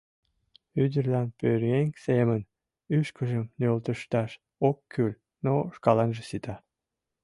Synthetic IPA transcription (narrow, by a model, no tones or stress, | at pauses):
yd̪ərlɑnpøɾeŋsemən | yʃkəʒəmnølt̪əʃt̪ɑʃ | okʰːylʲ | noʃkɑlɑnʒesit̪ɑ